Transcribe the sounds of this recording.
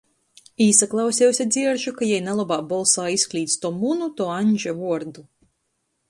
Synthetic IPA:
iːsaklˠawsʲɛwsʲad̪zʲiɛɾʒukajɛjnalˠɔbaːbɔlˠsaːisklʲiːt̪st̪uɔmunut̪uɔanʲd͡ʒɛvuɔɾd̪u

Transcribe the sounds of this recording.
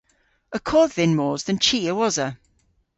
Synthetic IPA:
əkʰɔːdðɪ̃nmɔːzðə̃nt͡ʃʰiːəwɒzə

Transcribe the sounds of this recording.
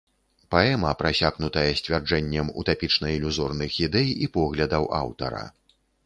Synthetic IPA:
paɛmɐpɾasʲaɣnut̪ɐjɐsʲt͡sʲvʲard͡ʐɛnʲːɐmṵt̪apʲit͡ʂnɐilʲuzɔrnɨxid̪ɛjipɔɣlʲɐd̪ɐwa̰wt̪ɐ̰ɾɐ̰

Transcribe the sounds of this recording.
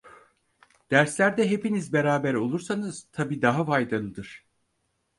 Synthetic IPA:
d̪̥æɾslʲæɾd̪ɛɦepinizbe̞ɾaːbæɾo̞lˠuɾsanɯz̥t̪ʰabiːd̪aɦafajd̪alˠɯd̪ɯɾ̥

